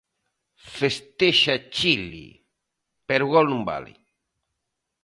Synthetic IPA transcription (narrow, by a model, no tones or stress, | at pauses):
fest̪eʃat͡ʃilḭ | peɾɣɔlnumba̰lḭ